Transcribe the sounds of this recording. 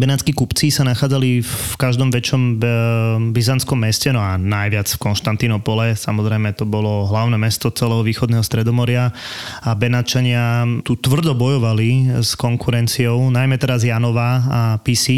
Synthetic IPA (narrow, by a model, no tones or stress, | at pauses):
bɛnat͡skikupt͡sisanaxaːd͡zalifkaʒd̪ɔmʋɛt͡ʃɔm | bizant͡skɔmːɛscɛnɔanajʋɪat͡sfkɔnʃt̪ant̪inɔpɔlɛsamɔzɾɛjmɛt̪ɔbɔlɔɦlaʊnɛːmɛst̪ɔt͡sɛlɛːɦɔʋiːxɔd̪nɛːɦɔst̪ɾɛd̪ɔmɔɾɪa | abɛnat͡ʃaɲɪat̪ut̪ʋr̩d̪ɔbɔjɔʋaliskɔŋkʰuɾɛnt͡siɔʊnajmɛt̪ɛɾazjanɔʋaapisi